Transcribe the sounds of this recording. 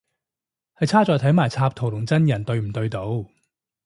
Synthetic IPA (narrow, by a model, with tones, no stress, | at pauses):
hɐ˨jt͡sʰaː˥t͡sɔː˧jt̪ʰɐ˨˥jmaː˨˩jt͡sʰaː˧p̚t̪ʰo˨˩wlʊ˨˩ŋt͡sɐ˥njɐ˨˩nt̪ɵ˧ɥm̩˨˩t̪ɵ˧ɥt̪o˨˥w